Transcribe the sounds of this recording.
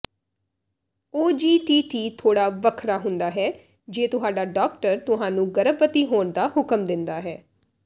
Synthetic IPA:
oːd͡ʒiːʈiːʈiːt̪ʰoːɽaːʋəkʰɾaːɦʊnd̪aːɦɛː | d͡ʒeːt̪ʊɦaːɖaːɖaːkʈəɾt̪ʊɦãːnũːɡəɾəbət̪iːɦoːɳd̪aːhʊkəmd̪ɪnd̪aːɦɛː

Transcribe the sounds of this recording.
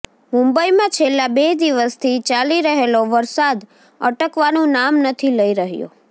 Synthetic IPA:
mũmbəimãt͡ʃʰelːabed̪iʋəst̪ʰit͡ʃaliɾəɦeloʋəɾsad̪ | ə̰ʈəkʋanũnamnət̪ʰiləiɾəɦjo̰

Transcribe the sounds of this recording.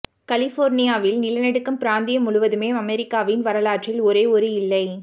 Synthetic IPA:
kɐlɪfoːɾnɪjaːʋɪlnɪlɐnɛɽɯkːɐmpɪɾaːnd̪ɪjɐmʊɭʊʋɐðɯmeːɐmɛɾɪkːaːʋɪnʋɐɾɐlaːʈrɪlɔɾeːɔɾɯɪlːɐɪ

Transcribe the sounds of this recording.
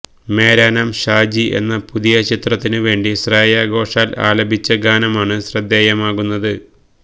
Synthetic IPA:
me̞ːɾaːnaːmɕaːd͡ʑiʔe̞̰nːɐpuðijɐt͡ɕit̪rɐt̪ːinɨʋe̞ːɳɖiɕraːjaːɡo̞ːʂaːla̰ːlɐbʱit͡ɕːɐɡaːnɐmaːɳɨɕrɐd̪ːeːjɐmaːɣunːɐðɨ

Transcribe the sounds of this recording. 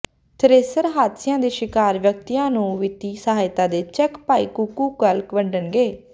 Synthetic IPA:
t̪ʰəɾeːsəɾɦaːt̪sɪjãːd̪eːʃɪkaːɾʋjək̚t̪ijãːnũːʋɪt̪iːsəɦaːjt̪ãːd̪eːt͡ʃɛːkpaːiːkukuːkəlkʋəɳɖənɡeː

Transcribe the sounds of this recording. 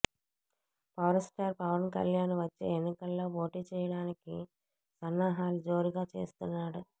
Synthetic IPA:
paːɾɐsʈaːɾpɐʋɐnkɐ̰ljaːnʋɐt͡ʃːḛːenːikɐlːo̞ːpo̞ːʈiːt͡ʃɛːjɐɽaːnikḭ | sɐnːaːɦaːlud͡ʒo̞ːɾiɡaːt͡ʃe̞̰ːst̪unːaːɽu

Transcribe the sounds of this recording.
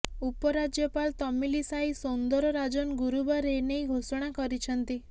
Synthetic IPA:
upɔɾad͡ʒjɔpalt̪ɔmilisaisond̪ɔɾɔɾad͡ʒɔnɡuɾubaɾenejɡʱosɔɽ̃akɔɾit͡ʃʰɔnt̪i

